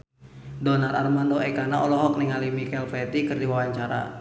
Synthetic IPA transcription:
dɔnala̰rmandɔɛkanaɔlɔɦɔk̚niŋalimikɛlpɛt̪ikɨrdiwawaɲt͡ʃaɾa̰

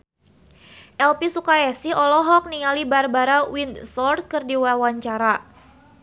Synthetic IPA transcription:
ʔɛlpisukaɛsiɔlɔɦɔk̚niŋalibarbaɾawinsɔrt̪̚kɨrdiwawaɲt͡ʃaɾa

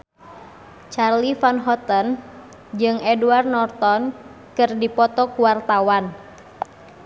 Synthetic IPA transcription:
t͡ʃarlifanɦɔt̪ən | d͡ʒɨŋɛduarnɔrt̪ɔn | kɨrdipɔt̪ɔkuwart̪awan

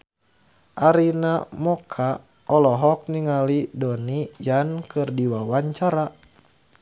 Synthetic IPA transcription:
ʔaɾinamɔkʰa | ɔlɔɦɔk̚niŋalidɔnijankɨrdiwawaɲt͡ʃaɾa

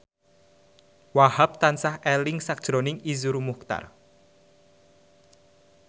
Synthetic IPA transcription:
wahap̚t̪ansahɛlɪŋsak̚dʒ̥ɾonɪŋizuɾmuk̚t̪a̰r

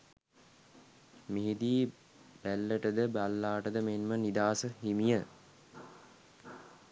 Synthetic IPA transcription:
miɦid̪iː | b̥ælːəʈəd̪əbalːaːʈəd̪əmenmənid̪aːsəɦimijə

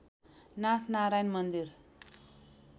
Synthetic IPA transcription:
nat̪ʰnaɾajnmʌnd̪ir

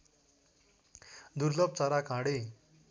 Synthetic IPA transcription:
d̪uɾlʌb̚t͡saɾakãɽe

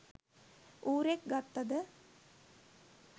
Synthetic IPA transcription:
uːɾek̚ɡat̪ːad̪ə

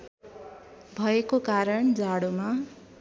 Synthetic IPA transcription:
bʱʌekokaɾʌɳd͡zaɽoma

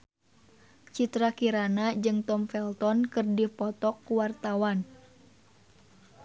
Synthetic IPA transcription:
t͡ʃit̪ɾakiɾanad͡ʒɨŋt̪ɔmfɛlt̪ɔnkɨrdipɔt̪ɔkːuwart̪awan

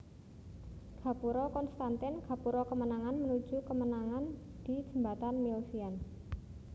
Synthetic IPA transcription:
ɡ̥a̤puɾɔkɔnst̪ant̪ɪnɡ̥a̤puɾɔkəmənaŋanmənu̥ʒ̥ṳkəmənaŋan | d̪̥id̥d͡ʒ̥ə̤mbat̪anmilsian

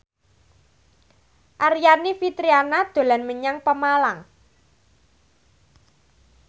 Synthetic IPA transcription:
ʔarijanifit̪ɾianad̪̥o̤lanməɲaŋpəmalaŋ

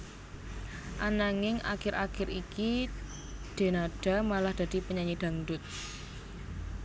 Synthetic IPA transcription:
ʔanaŋɪŋa̰kɪɾʔa̰kɪɾiki | d̪̥e̤naɖ̥a̤malahd̪̥ä̤d̪̥i̤pəɲaɲid̪̥a̤ŋdʊt̪̚

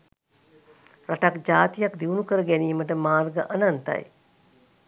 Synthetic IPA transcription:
raʈakd͡ʒaːt̪ijakd̪iunukəɾəɡæniːməʈəmaːrɡəʔanant̪a̰j

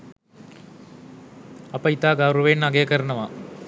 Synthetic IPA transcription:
ɐpɐit̪aːɡaɾuʋeːnːɐɡejɐkɐɾɐnɐʋa

